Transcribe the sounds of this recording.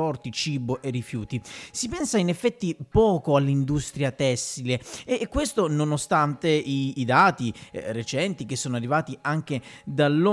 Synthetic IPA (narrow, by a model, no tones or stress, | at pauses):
ɔrt̪it͡ʃiːboʔerːifjuːt̪isipɛnsainefːɛt̪ːipɔːkoalːind̪ust̪ɾjat̪ɛsːileɛkːwest̪ononost̪ant̪eiːd̪aːt̪iret͡ʃɛnt̪ik̟esːoːnoarːivaːt̪iaŋk̟ed̪alːo